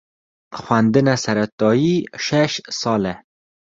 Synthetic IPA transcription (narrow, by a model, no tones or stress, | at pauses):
xwand̪ɨnɛsɛɾɛt̪ɑːjiʃɛʃsɑːlɛ